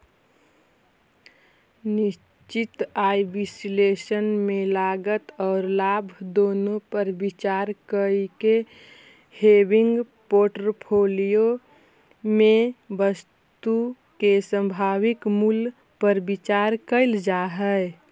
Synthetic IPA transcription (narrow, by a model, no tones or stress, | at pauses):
niʃ | t͡ʃit̪ajbislesənmelaɡət̪ɔːɾlaːbʱd̪oːnopəɾbit͡ʃaɾkəike | hebɪŋɡ | poʈɾpʰolijo | mẽbəs | t̪u | kesə̃mbʱaːwikmul | pəɾbit͡ʃaɾkəɪld͡ʒaɦɛ